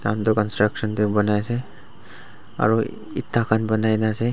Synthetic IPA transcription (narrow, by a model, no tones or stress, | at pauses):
t̪ant̪ɔkɔnstɹaksɔntebɔnajsɛ | a̰ɹu | ḭt̪ʰːakʰanbɔnajnasɛ